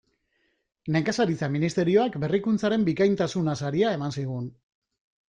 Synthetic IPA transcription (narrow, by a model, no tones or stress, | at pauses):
neŋkasaɾit͡saminist̪e̞ɾio̞akbe̞rikunt͡saɾe̞mbikajnt̪asunasaɾiae̞mansiɣ̞un